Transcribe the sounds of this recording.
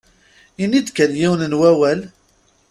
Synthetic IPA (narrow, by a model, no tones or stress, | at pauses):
inːid̪kːænjiwnənwæwæl